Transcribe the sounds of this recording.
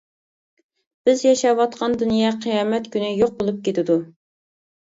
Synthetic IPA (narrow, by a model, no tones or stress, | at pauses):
b̥ɪzjɑʃɑwɑt̪̚qʰɑnd̪unjɑqʰəjɑːmɛt̪kʲynɪjoq̚bolˠup̚kʲet̪ɪd̪u